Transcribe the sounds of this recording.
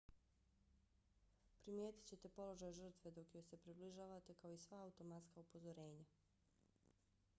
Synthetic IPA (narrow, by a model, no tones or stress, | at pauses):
pɾimje̞ːt̪i̥t͡ɕe̞t̪e̞po̞lo̞ʒaːjʒr̩t̪ʋe̞d̪o̞kjo̞jse̞pɾibliʒaːʋat̪e̞kao̞isʋaaut̪o̞mat̪skaupo̞zo̞ɾe̞ːɲa